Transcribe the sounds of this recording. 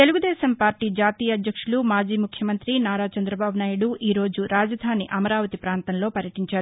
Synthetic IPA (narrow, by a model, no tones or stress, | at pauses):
t̪e̞luɡud̪ɛːʃɐmpaːɾʈiːd͡ʒaːt̪iːjɐːd̪jɐkʂulumaːd͡ʒiːmukʰjɐmɐnt̪ɾinaːɾaːt͡ʃɐnd̪ɾɐbʱaːbunaːjuɽuʔiːɾo̞ːd͡ʒuɾaːd͡ʒɐd̪ʱaːniʔɐmɐɾaːʋɐt̪ipɾaːnt̪ɐnlo̞ːpɐɾjɐʈiɲt͡ʃaːɾu